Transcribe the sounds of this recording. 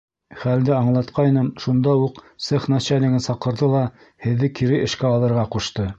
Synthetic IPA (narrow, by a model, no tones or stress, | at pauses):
χæld̪ɘɑɴlˠɑt̪qʰɑjnɤmʃund̪ɑuqsɤχnɑt͡ɕælʲnʲɘ̆ɡɘnsɑqɤ̆ɾðɤlˠɑ | hɘ̆ðːɘkiɾɘʔɘ̆ʃkæɑlˠɤ̆ɾʁɑquʃt̪ɤ